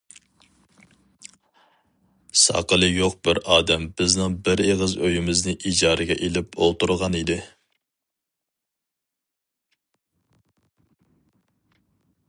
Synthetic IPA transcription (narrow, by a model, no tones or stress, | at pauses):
sɑ̰qəlˠɨjoq̚bɪɾɑːd̪ɛmbɪznɨŋbɪɾeʁəzøjɪmɪznɪʔid͡ʒɑːɾɨɡʲɛʔelɪpolˠt̪uɾʁɑnid̪ɪ